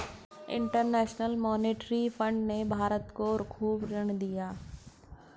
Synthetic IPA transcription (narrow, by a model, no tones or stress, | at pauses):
ɪ̰̃ɳʈəɾnɛːʃnəlmɔːneːʈɾifʰə̃ɳɖnebʱaːɾət̪koɾkʰuːbɾəɳ̃d̪ijaː